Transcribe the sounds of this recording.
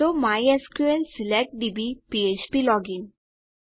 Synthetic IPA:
omajeskuelsilɛk̚ʈ̚ɖibipiet͡ɕpilɔɡin

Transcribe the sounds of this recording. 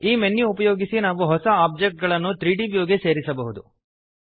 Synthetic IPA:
iːmenːiupɐjoːɡisinaːʋuɦɔsɐaːb̚d͡ʒek̚ʈ̚ɡɐɭɐnːut̪ɾiːɖiʋjoːɡese̞ːɾisɐbɐɦud̪u

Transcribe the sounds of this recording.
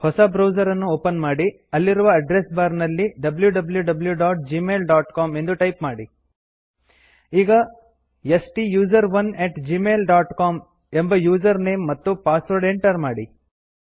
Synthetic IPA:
hɔsɐbɾɐwd͡ʒɐɾɐnːuoːpɐnmaːɽi | ɐlːiɾuʋɐːɖɾesbaːɾnɐlːiɖɐbljuɖɐbljuɖɐbljuɖaːʈ̚d͡ʒiːmeːlɖaːʈkaːme̞nd̪uʈɐjpmaːɽi | iːɡɐ | esʈijuːd͡ʒɐɾʋɐneʈd͡ʒiːmeːlɖaːʈkaːm | embɐjuːd͡ʒɐɾneːmːɐt̪ːupaːsʋɐɾɖeɳʈɐɾmaːɽi

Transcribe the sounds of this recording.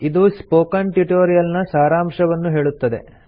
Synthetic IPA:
id̪uspoːkɐnʈiʈoːɾijɐlnɐsaːɾaːmʂɐʋɐnːuɦe̞ːɭut̪ːɐd̪e̞̰

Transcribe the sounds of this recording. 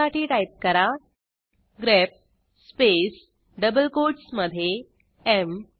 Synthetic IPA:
aʈiːʈajp̚kəɾa | ɡɾep̚ | spes | ɖəbəlkoʈsməd̪ʱːje | em

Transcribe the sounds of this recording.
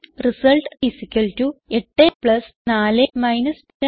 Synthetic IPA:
risɐlʈisikʲːɐltueʈːepɭɐsnaːlemɐjnɐs | ɐ

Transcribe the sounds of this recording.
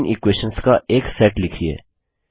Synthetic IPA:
nʔɪkweːʃənskaʔeːksɛʈlɪkʰiḛː

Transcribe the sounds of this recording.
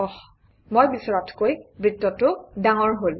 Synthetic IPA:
ɔ | mojbisɔɹɔtʰkojbɹitːɔtʊdaŋɔɹɦol

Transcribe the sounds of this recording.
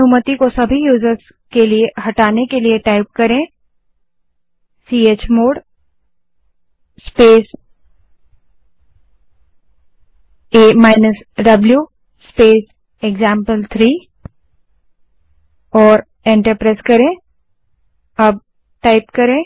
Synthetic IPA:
uːmət̪ikosɐbʱijuːzəɾz | keliehɐʈaːnekelieʈaːɪp̚kɐɾẽː | siːeːt͡ʃmoːɽ | speːs | eːmaːɪnəs | ɖɐblju | speːs | eɡzãːmpəlt̪ʰɾiː | ɔːɾ | ẽːɳʈəɾpɾeːskɐɾẽː | ɐb̚ | ʈaːɪpkɐɾẽː

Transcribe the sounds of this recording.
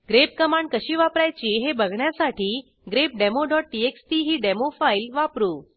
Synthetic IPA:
ɡɾep̚kəmãɳɖ̚kəʃiʋapɾajt͡ʃiɦebəɡɳjasaʈʰi | ɡɾep̚ɖemoɖɔʈ̚ʈieksʈ̪iɦiɖemofailʋapɾũ

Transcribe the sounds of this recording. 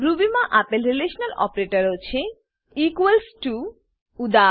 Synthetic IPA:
ɾubimaʔapelɾileʃnalɔ̰pɾeʈoɾot͡ɕʰe | ikuelsʈu | ud̪a

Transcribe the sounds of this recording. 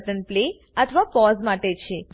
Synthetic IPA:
ʈənple | ət̪ʰəʋapɔzmaʈet͡ʃʰe

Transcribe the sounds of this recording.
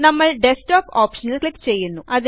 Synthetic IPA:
nɐmːɐɭɖesʈoːpaːpʂɐnɐllekːt͡ʃeːjːunːuʔɐd̪

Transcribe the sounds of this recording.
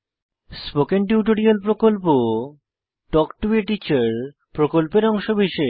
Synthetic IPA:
spokenʈ̬juʈ̬oɾialpɾokolpo | ʈɔkʈueʈit͡ɕaɾ | pɾokolpeɾɔŋʃobiʃe

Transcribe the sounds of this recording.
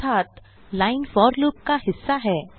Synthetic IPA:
aːt̪ | laːɪnfɔːɾluːp̚kaɦɪsːaɦɛː

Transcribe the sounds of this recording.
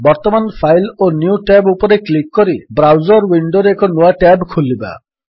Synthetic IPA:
bɔɾt̪ɔmanpʰajlonjuʈabupɔɾeklikːɔɾibɾawd͡ʒɔɾwiɳɖoɾeekɔnuaʈabkʰulːiba̰

